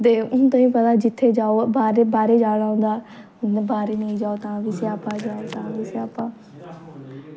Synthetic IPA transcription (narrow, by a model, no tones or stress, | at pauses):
t̪eːʊnt̪ãːĩːpət̪aːd͡ʒɪt̪ʰːeːd͡ʒaːobaːɾeːbaːɾeːd͡ʒaːɽaːõnd̪aː | ʊnebaːɾeːnəĩd͡ʒaːoːt̪ãːʋiseːaːpːãːd͡ʒaːot̪ãːʋiseːaːpːãː